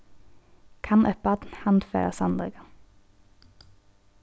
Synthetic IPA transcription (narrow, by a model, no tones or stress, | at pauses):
kʰɑnʔœpɑd̪n̩hɑnd̪fḛːʁə̰sɑnd̪ʁə̰ɡɑ